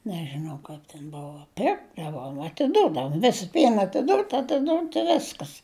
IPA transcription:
nʲɛʒʲɪˈnɐʊ ˈkɐɪp tʲɛn ˈboːʋoː ˈpʲɪrɡdɐʋoːm ɐtʲɪˈdʊdɐʋʊ ˈʋʲɪs ˈpʲiɛn ɐtʲɪˈduːtʲ ɐtʲɪˈduːtʲ ɪ ˈʋʲɪskɐs

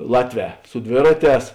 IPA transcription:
ˈlˠɑːtʲˌʋʲɛː sʊ ˈdʲʋʲeːrɐˌtʲɛːs

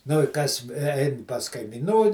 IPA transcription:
nʊ ɪ ˈkɐs ˈɛɪn pɐs kɐɪmʲɪˈnuː

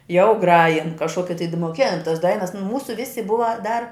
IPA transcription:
jɛʊ ˈɡrɑːjɪn kɐʃˈkoːkʲɪ tɐɪ t moːˈkʲeːn tɐs ˈdɐɪnɐs nʊ ˈmuːsʊ ˈʋʲɪsʲɪ ˈbʊʋɐ dɐr

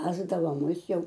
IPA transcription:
ˈʋʲæːzdɐʋoː ˈmʊs ˈjɛʊ

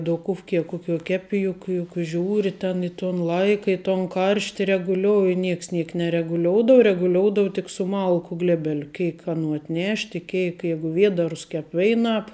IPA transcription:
dʊˈkʊfʲkʲɪ ˈkʊˌkʲuɔ ˈkʲæːpʲɪ ˈjʊk jʊk ˈʒʲuːrʲɪ tʲɛn ˈɪ ˌtoːn ˈlˠɐɪkɐ ɪ toːn ˈkɐrʲʃʲtʲɪ rʲɛɡʊˈlʲoːʊjɪ ˈnʲiɛks ˈnʲiɛk nʲɛrʲɛɡʊˈlʲoːʊdɐʋɐ rʲɛɡʊˈlʲoːʊdɐʋoː tʲɪk sʊ ˈmɐlˠkʊ ˈɡlʲæːbʲɛlʲʊ ˈkʲɛɪk ɐˈnuː ɐtʲˈnʲɛʃʲtʲ ɪ ˈkʲɛɪk ˈjɛɪɡʊ ˈʋʲiɛdɐrʊs ˈkʲɛp ˈʋʲɛɪnɑːp

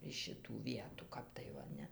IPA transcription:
ɪʃ ʃʲɪˈtuː ˈʋʲiɛtuː ˈkɐp tɐɪ ˈʋɐ ˈnʲɛ

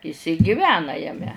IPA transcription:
ɪs ɪ ɡʲɪˈʋʲæːnɐ jɛˈmʲɛ

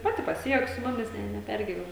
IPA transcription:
ˈpɑːtʲɪ pɐˈsʲɪjuɔk sʊ ˈmʊmʲɪs ˈnʲɛ nʲɛˈpʲɛrʲɡʲɪʋʲɛn

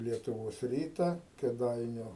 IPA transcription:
lʲiɛtʊˈʋoːs ˈrʲiːtɐ kʲeːˈdɐɪnʲʊ

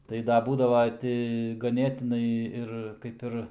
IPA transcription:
ˈtɐɪ dɐ ˈbuːdɐʋɐ ˈtʲɪ ɡɐˈnʲeːtʲɪnɐɪ ˈɪr kɐɪp ˈɪr

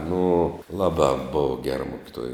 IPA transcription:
nʊ ˈlˠɑːˌbɑː boːw ɡʲɛr ˈmʊkʲɪˌtuɔj

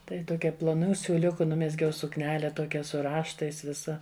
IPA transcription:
ˈtɐɪ toːˈkʲɛ plˠoːˈnuː sʲuːˈlʲʊkʊ ˈnʊmʲɛzʲɡʲɛʊ sʊkˈnʲæːlʲɛ ˈtoːkʲɛ sʊ ˈrɑːʃtɐɪs ˈʋʲɪsɐ

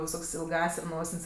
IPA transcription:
ʋʲɪˈsoːkʲsʲ ɪlˠˈɡɑːsʲ ˈnoːsʲɪnʲsʲ

